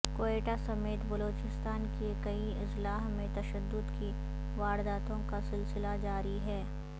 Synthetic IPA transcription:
koːeːʈasɐmeːt̪bɐloːt͡ʃɪst̪aːnkekɐiɪslaːɦmẽt̪ɐʃəd̪ːʊd̪ki | ʋaːɾd̪aːt̪õkasɪlsɪlad͡ʒaːɾiɦɛː

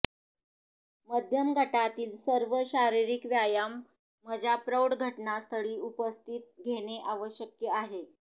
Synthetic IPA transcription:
məd̪ʱjəmɡʱəʈat̪iːlsəɾʋəɕaɾiɾikʋjajamː | əd͡ʑʱjapɾəwɽɡʱəʈnast̪ʰəɭiːupəst̪ʰit̪̚ɡʱeñeʔaʋəɕjəkjəaɦe

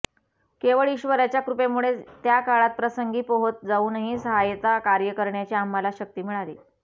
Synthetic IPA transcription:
keʋəɭiɕʋəɾjat͡ɕjakɾupemuɭet̪jakaɭat̪̚pɾəsəŋɡiːpoɦot̪̚d͡zauːnəɦĩsəɦajt̪akaɾjəkəɾɳjat͡ɕeamːalaɕək̚t̪iːm̤iɭaliː

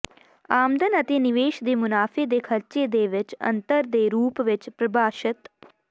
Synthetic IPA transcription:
aːmd̪ʱɐnɐt̪eːniʋeːʃd̪eːmʊnaːfeːd̪eːkʰɐɾt͡ʃeːd̪eːʋɪt͡ʃɐ̰nt̪əɾd̪eːɾuːpʋɪt͡ʃpɾɐbaːʃɪt̪

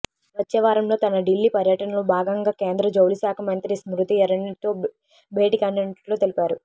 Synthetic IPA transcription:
ʋɐt͡ʃːɛːʋaːɾɐmlo̞ːt̪ɐnɐɖilːipɐɾjɐʈɐnɐlubʱaːɡɐŋɡaːkeːnd̪ɾɐd͡ʒɐwlisaːkʰɐmɐnt̪ɾismɾut̪iɐɾɐɳit̪oː | bʱeːʈikɐɳɖeɳʈloːt̪elipaːɾu

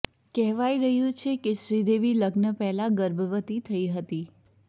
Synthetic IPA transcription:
kɛɦʋaiɾəɦjũt͡ʃʰekeʃɾid̪eʋiləɡnəpɛɦlaɡəɾbʱəʋət̪it̪ʰəiɦət̪i

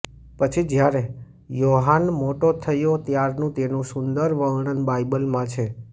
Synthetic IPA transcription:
pət͡ʃʰid͡ʒjaɾe | joɦanmoʈot̪ʰəjot̪jaɾnũt̪enũsʊnd̪əɾʋəɡɳənbaibəlmãt͡ʃʰe

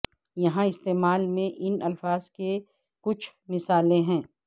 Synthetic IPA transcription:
jɐɦãɪst̪eːmaːlmẽʔɪnɐlfaːzke | kʊt͡ʃʰmɪsaːlẽɦɛ̃ː

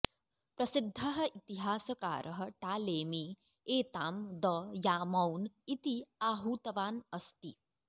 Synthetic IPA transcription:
pɾɐsɪd̪ʱːɐɦɐ̆ʔit̪iɦaːsɐka̰ːɾʔɐɦɐ̆ʈaːleːmi | eːt̪aːmd̪ɐjaːmɐwnit̪iaːɦuːt̪ɐʋaːnɐst̪i

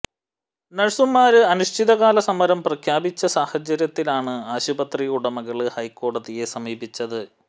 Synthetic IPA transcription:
nɐɻsumːaːɾɨɐnuʂʈʰiðɐɣaːlɐsɐmɐɾɐmprɐkʰjaːbit͡ɕːɐsaːhɐd͡ʑɐɾjɐt̪ːilaːɳɨaːɕubɐt̪rijuɽɐmɐɣɐɭɨhɐjko̞ːɽɐðije̞sɐmiːbit͡ɕːɐðɨ

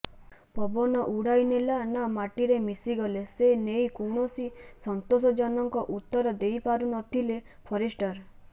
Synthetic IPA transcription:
pɔbɔnɔʔuɽajnelanamaʈiɾemisiɡɔlesenejkuɽ̃osisɔnt̪osɔd͡ʒɔnɔŋkɔʔut̪ːɔɾɔd̪ejpaɾunɔt̪ʰile | pʰɔɾisʈɔɾ

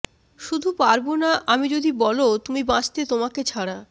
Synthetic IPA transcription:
ʃud̪ʱupaɾbonaʔamid͡ʑod̪ibɔlot̪umibãd͡ʑʰt̪et̪omaket͡ɕʰaɽa

